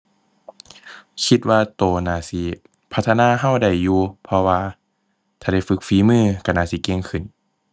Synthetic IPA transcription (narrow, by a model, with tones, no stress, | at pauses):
kʰi˧˦t̪̚waː˧t̪oː˨˧˩naː˧˩si˧˦ | pʰa˦t̪ʰːnaː˧˥˨ɦa˧˩wda˧˩jːuː˧pʰɔ˧waː˧ | t̪ʰaː˧˩da˧˩jfɯ˧˦k̚fiː˧˦mɯː˧˩ka˧˩naː˧˨si˧˦ke˧˥˨ŋkʰɯ˧˩n